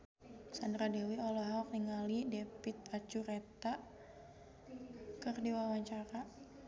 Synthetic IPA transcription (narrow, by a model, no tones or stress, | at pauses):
sandɾadewiɔlɔɦk̚niŋalidepit̪̚at͡ʃuɾet̪aʔ | kərdiwawaɲt͡ʃaɾa